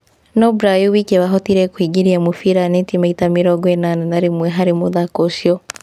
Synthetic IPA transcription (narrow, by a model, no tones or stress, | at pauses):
nɔbɾajuβikeβaɦɔtiɾɛkwiːɡiɾiamufiɾanentimaitamiɾɔɡwenananaɾimwɛɦaɾimuðakoʃjɔ